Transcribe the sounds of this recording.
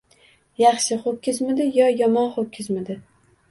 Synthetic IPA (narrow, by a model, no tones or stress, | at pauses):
jɑχʃɪχokʲʰːɪzmɪd̪ɪjɒjɒmɒnχokʲʰːɪzmɪd̪ɪ